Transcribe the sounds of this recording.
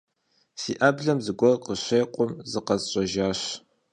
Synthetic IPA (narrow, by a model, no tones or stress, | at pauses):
siːʔɐbɮɐmzɨɡʷɔrqəɕeːqʷʼʊmzɨqɐzɕʼɐʒaːɕ